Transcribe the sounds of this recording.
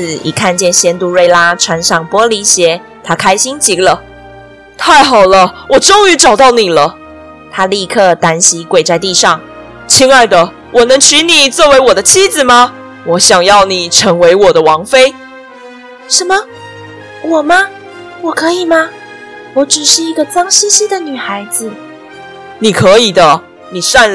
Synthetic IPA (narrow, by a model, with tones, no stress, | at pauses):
ɨ˨˩ḭ˨˩kʰa˥˧nt͡ɕjɛ˥˩nɕjɛ˥nt̪u˧we˥˩ɪla˥ʈ͡ʂʰwa˧˥nʂɑ˥˩ŋpwɔ˥li˧˥ɕjɛ˧˥˦ | t̪ʰa˥kʰa˥ɪɕi˥ŋt͡ɕi˧˥lə˧ | t̪ʰa˥˩ɪxɑ˨˩ʊlə˦wɔ˨˩ʈ͡ʂʊ˥ŋy˧˥ʈ͡ʂɑ˨˩ʊt̪ɑ˥˩ʊni˨˩lə˦ | t̪ʰa˥li˥˧kʰɤ˥˩t̪a˥nɕi˧˥kwe˨˩ɪt͡sa˥˧ɪt̪i˥˧ʂɑ˥˩ŋ | t͡ɕʰi˥ŋa˥˩d̪ə˨ | wʔɔ˨˩nɤ˧˥ŋt͡ɕʰy˧˥ni˨˩t͡swɔ˥˩we˧˥ɪwɔ˨˩d̪ə˦t͡ɕʰi˥d͡zɹ̩˨˩ma˨ | wɔ˧˥ɕjɑ˨˩ŋjɑ˥˩ʊni˨˩ʈ͡ʂʰɤ˧˥ŋwe˧˥ɪwɔ˨˩d̪ə˦wɑ˧˥ŋfe˥ɪ | ʂə˧˥nmə˧ | wɔ˨˩mɐ˧ | wɔ˨˩kʰɤ˧˥i˨˩mɐ˧ | wɔ˧˥ʈ͡ʂɻ̩˨˩ʂɻ̩˥˩i˧˥ɡə˧t͡sɑ˥ŋɕi˥ɕi˥d̪ə˨ny˨˩xa˧˥ɪd͡z̩˧˨ | ni˨˩kʰɤ˧˦˥i˨˩d̪ə˦ | ni˨˩sa˥˧n